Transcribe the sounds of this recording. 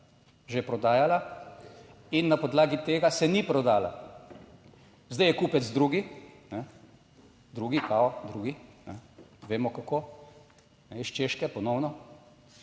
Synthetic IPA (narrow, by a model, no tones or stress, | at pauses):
ʒepɾɔd̪aːjala | inːapɔd̪laːɡit̪eːɡasɛnipɾɔd̪aːla̰ | zd̪ajɛkuːpɛzd̪ɾuːɡinɛ | d̪ɾuːɡikaɔd̪ɾuːɡinɛʋeːmɔkakoː | nɛiʃt͡ʃeːʃkɛpɔnɔwnɔ